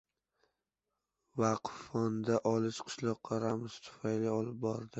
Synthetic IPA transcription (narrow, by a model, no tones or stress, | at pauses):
vaqfɒnd̪aʔɒlˠɪʃqʰɨ̥ʃlˠɒqʰːɑɾamʊzt̪ʰʊ̥fajlɪɒlɪp̚bɒɾd̪ɪ